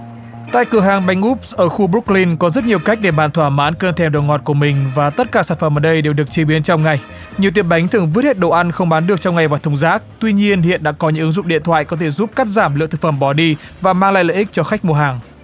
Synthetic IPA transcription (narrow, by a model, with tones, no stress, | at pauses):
t̪a̰ː˧˨jkɨ˧˩əɦaː˨˩ŋɓa˧jŋʔu˦˥p̚sʔəː˧˩xu˧ɓu˦˥k̚li˧nkɔ˨˦zə˦˥t̚ɲi˨˩əwka˦˥jk̟̚ɗe˧˩ɓaː˧˨nt̪ʰwaː˧˩maː˨˦nkəː˧nt̪ʰɛ˧˩mɗo˨˩ŋɔ˨˩t̚ku˧˩əmï˨˩ŋ̟vaː˨˩t̪ə˦˥t̚kaː˧˩saː˧˩nfə˧˩mʔəː˨˩ɗə˧jɗe˨˩wɗɨ˨˩ək̚t͡ɕi˨˦ɓi˨˦ənt͡ɕɔ˧wŋ͡mŋa˨˩j | ɲi˨˩əwt̪̬i˧˩əm̚ɓa˨˦jŋt̪ʰɨ˨˩əŋvɨ˦˥t̚he˦˥t̚ɗo̰˧˨ʔa˧nxə˧wŋ͡mɓaː˨˦nɗɨ˨˩ək̚t͡ɕɔ˧wŋ͡mŋa˨˩jvaː˨˩t̪ʰə˨˧wŋ͡mzaː˦˥k̚t̪wi˧ɲi˧ənhḭ˧˨ənɗa̰ː˧˥kɔ˨˦ɲɨ̰˧˥ŋʔɨ˨˦ŋzʊ̰˧˨ŋ͡mɗḭ˧˨ənt̪ʰwa̰ː˧˨jkɔ˨˦t̪ʰe˧˩zu˦˥p̚ka˦˥k̚zaː˧˩mlɨ̰˧˨t̪ʰkfə˧˩mɓɔ˨˩ɗi˧vaː˨˩maː˧ŋla̰ː˧˨lə̰ː˧˨ʔi˦˥k̚t͡ɕɔ˧xa˦˥k̚mo˨˧˩ɦaː˨˩ŋ